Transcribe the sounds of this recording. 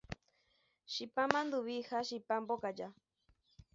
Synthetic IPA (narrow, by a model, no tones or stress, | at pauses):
ʃipamãnd̪uβihaʃipambokad͡ʒa